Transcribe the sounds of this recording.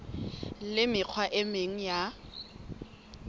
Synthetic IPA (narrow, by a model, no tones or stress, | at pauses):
lɪmɪq͡χʰwaʔɪmeŋ̩ja